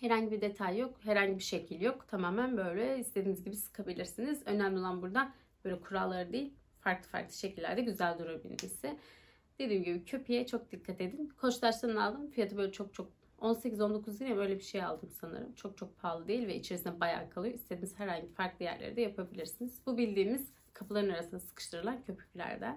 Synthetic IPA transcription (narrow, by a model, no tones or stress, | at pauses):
heɾaɲɟibiɾd̪et̪ʰajːo̞kheɾaɲɟibiʃecʰilʲjo̞kt̪ʰamaːmænbø̞jlʲɛist̪ʰed̪inizɟibisɯ̥kʰabilʲiɾsinizø̞næmʲlʲiolˠanbuɾd̪a | b̥ø̞jlʲɛkʰuɾalˠːaɾɯd̪ejilʲ | faɾklˠɯfa̰ɾklˠɯ̥ʃe̞cʰilʲːæ̰ɾd̪ɛɟyzælʲd̪uɾuɾbḭlʲmḭsɪ | d̪̥e̞d̪iːmɟibicʰøpʰijɛt͡ʃʰo̞k̚d̪ikʰːat̪e̞d̪inkʰo̞t͡ʃt̪ˠaʃt̪ɯnnalˠd̪ɯmfijat̪ʰɯbø̞jlʲɛt͡ʃʰo̞k̚t͡ʃʰo̞k̚ | o̞nse̞cʰizo̞nd̪o̞kʰuzd̪iabø̞jlʲɛbiʃe̞ja̰lˠd̪ɯmsanɯ̰ɾɯ̰mt͡ʃʰo̞k̚t͡ʃʰo̞k̚pʰaːlˠɯd̪e̞jilʲvɛʔit͡ʃʰeɾsinɛbaja̰ːkʰalˠɯjoist̪ʰe̞d̪iːnizhɦæɾhaɲɟifaɾklˠɯjæ̰ɾlʲḛɾid̪ɛjapʰabilʲiɾsiniz̥bubilʲd̪iːmiz̥ | kʰapʰlˠaɾɯnaɾasɯnd̪asɯ̥kʰɯ̥ʃt̪ʰɯɾɯlˠancʰøpʰy̥clʲæ̰ɾd̪ɛ